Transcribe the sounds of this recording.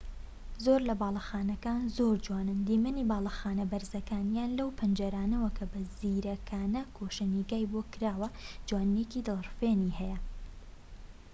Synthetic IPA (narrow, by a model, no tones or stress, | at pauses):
zoɾlɐbɑːlˠɑxaːnɐkaːnzoɾd͡ʒwaːnɨnd̪imɨnibɑːlˠɑxaːnɐbɐɾzɐkaːnjaːnlɐwpʰɨnd͡ʒɐɾaːnɐwɐkʰɐbɐziɾɐkʰaːnɐkʰoʃɐniɡaːjbokɨɾaːwɐd͡ʒwaːnːecid̪ɨlˠrfeːnihɛjɐ